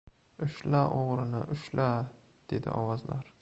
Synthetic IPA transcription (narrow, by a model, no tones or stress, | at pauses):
ʊʃlaʔoʁɾɪnɪ̰ʔʊʃlʔa | d̪̥e̞d̪ɪ̰ʔɒwɒzlaɾ